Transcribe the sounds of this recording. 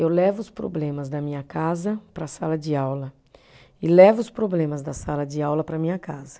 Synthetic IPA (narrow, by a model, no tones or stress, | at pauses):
ewlɛvʊʊspɾo̰blẽmɐzd̪ɐmĩɲɐkazɐpɾɐsalɐd͡ʒɪawlɐ | ɪlɛvʊʊspɾoblẽmɐzd̪ɐsalɐd͡ʒɪawlɐpɾɐmĩɲɐkazɐ̥